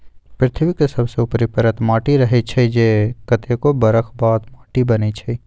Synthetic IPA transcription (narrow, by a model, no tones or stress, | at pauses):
pɾɪt̪ʰʋikesɐbseʊpɾipəɾət̪maːʈiɾəɦet͡ʃʰed͡ʒeːkət̪ʰekobəɾəkʰbaːd̪maːʈibənet͡ʃʰe